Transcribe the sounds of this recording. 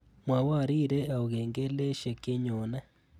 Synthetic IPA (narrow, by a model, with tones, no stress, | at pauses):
mwa˨wa˦˨ɾi˦ɾe˦a˨u˨ɣeːŋɡe˦le˦ʃe˨ke˦ɲo˨na˦